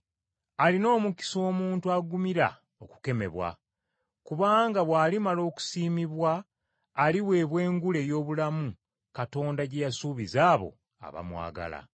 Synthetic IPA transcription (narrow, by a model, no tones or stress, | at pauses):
alino̞ːmuki̥so̞ːmuːntuaɡumiɾa̰ | o̞ku̥ke̞me̞̰βwa̰ | kuβaːŋɡaβwaːlimalo̞ːku̥siːmiβwaː | liwe̞ːβwe̞ːŋɡule̞jo̞ːβulamu | kato̞ːndaɟejasuːβizaːβo̞̰ | a̰βa̰mwa̰ːɡa̰la̰